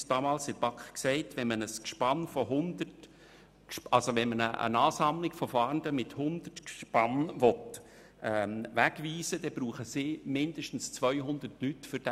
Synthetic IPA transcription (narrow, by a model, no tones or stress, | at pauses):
sd̥ɑːmɑːlsɪɾb̥ɑkχksɛɪtʋɛnmənəskʃpɑnfɔɦʊnd̪ət | ʃɑlsoʋɛnmənəʔə̰nɑːsɑmlɪɡ̥fɔfɑːɾndəmɪthʊnd̥̪ərtkʃpɑnʋɔt | ɛmʋæɡviːsəd̥ɛb̥ɾuːχəsɪmɪnd̥əʃtn̩st͡svʋœʏɦʊnd̥̪ərtlytfʏɾd̥ɛ